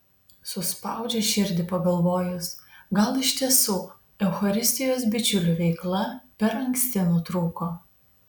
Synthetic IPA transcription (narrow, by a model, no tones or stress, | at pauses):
sʊspɑˑʊd͡ʒʲɛʃʲɪɾʲd̪ʲɪpɐɡɐlˠʋoːjʊsɡɐlˠɪʃʲt̪ʲiɛsuː | ɛʊxɐɾʲɪsʲt̪ʲɪjoːsbʲɪt͡ʃʲʊlʲuːʋʲɛɪklˠɐpʲɛɾɐŋksʲt̪ʲɪnuːt̪ɾuːkoː